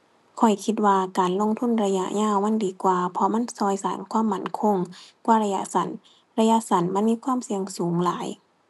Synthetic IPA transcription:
kʰɔ˨˩jkʰi˧t̪̚waː˧kaː˨nlo˧˥˨ŋt̪ʰu˧˥˨nɾa˧ja̰˧˥ʔɲaː˧˥˨wma˧˥˨ndiː˨˦kwaː˧˩pʰɔ˧ma˧˥˨nsɔː˧˩jsaː˨˦nkʰwaː˧˥˨mːa˧˩nkʰo˧˥˨ŋkwaː˧˩˨ɾa˧ja˧˥ʔsa˨˦n | ɾa˧ja˧˨sa˨˦nma˧˥˨nmiː˧˥˨kʰwaː˧˥˨msi˧əŋsuː˨˦ŋlaː˨˦j

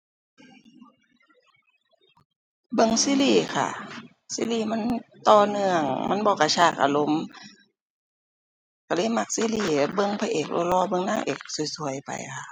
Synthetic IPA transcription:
bɤ˧˨ŋsiː˧˥˨liː˧˩kʰa̰˧˩ | sḭ˧˥˨liː˧˩ma˧˥˨nt̪ɔː˧˩nɯ˧əŋma˧˥˨nbɔː˧˦ka˧˩t͡ɕʰaː˧˩k̚ʔa̰˧˨lo˧˦m | ka˧˩lɤː˧˥˨jma˧˩k̚siː˧˥˨liː˧˩bɤ˧˨ŋpʰaː˧ʔeː˨˩k̚lʔɔ̰˧lɔː˧˩˨bɤ˧˨ŋnaː˧˥˨ʔḛː˨˩k̚su˨˧˩jsu˧əjpa̰˨jkʰa˧˩ʔ

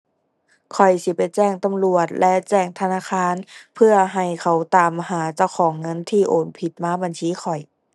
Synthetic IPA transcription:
kʰɔ˨˩jsi˧˦pa˨jt͡ɕɛː˥˩ŋt̪a˧mlu˨˩ət̪̚lɛ˦˧ʔt͡ɕɛː˥˩ŋt̪ʰa˧naː˧˥˨xʰaː˧˥˨npʰɯ˥˧˩ɐɦa˧˩jkʰa˧˦wt̪aː˨˩mhaː˨˩˦t͡ɕa˧˩wxʰɔː˨˩˦ŋːɤ˧˥˨nt̪ʰiː˧˩ʔoː˨˩npʰi˨˩t̪̚maː˧˥ba˨nt͡ɕʰiː˧˥˨xʰɔ˨˩j

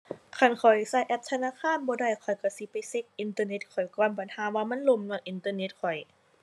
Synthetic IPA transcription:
kʰa˧˩nkʰɔ˨˩jsa˧˩jʔɛ˧˥p̚t̪ʰa˧naː˧˥˨kʰaː˧˥˨nbɔː˧˦da˧˩˨jkʰɔ˨˩jka˧˩si˧˦pa˨˩jse˧˥k̚ʔi˧˦nt̪ɤː˧ne˧˥t̪̚kʰɔ˨˩jkɔː˧˩nba˨˩nhaː˨˦waː˧ma˧˥˨nlo˧˩˨mnu˧˩əŋʔi˧˦nt̪ɤː˧˨ne˧˥t̪̚kʰɔ˨˩j

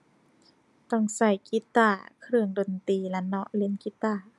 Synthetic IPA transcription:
t̪ɔ˧˩ŋsa˧˩jki˧˦˥t̪aː˧˩kʰɾɯ˧˩əŋdo˧˨nt̪iː˧˩la˧˥nɔ˧˥ʔli˧˥˨nki˧˥t̪aː˧˩

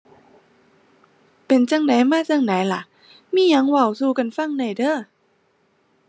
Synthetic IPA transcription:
pe˧˩nt͡ɕa˧˩ŋna˨˦jmaː˧˥˩t͡ɕa˧˩ŋna˨˦jla˧˦ʔ | miː˧˥˨ja˨˦ŋwa˧˩wsuː˧ka˧˨nfa˧˥˨ŋna˧˩jdɤː˧˩˨

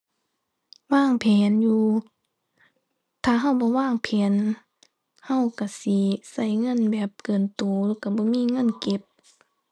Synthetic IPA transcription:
waː˧˥˨ŋpʰɛː˨˦njuː˧˦ | t̪ʰaː˧˩ɦa˧˩˨wbɔː˧˦waː˧˥˨ŋpʰɛː˨˦n | ha˧˨wka˧˩si˧˦sa˧˩˨jŋɤ˧˥˨nbɛː˨˩p̚kɤː˨nt̪oː˨˦lɔː˧˨ka˧˩bɔː˧˦miː˧˥˨ŋɤ˧˥˨nke˧˦p̚

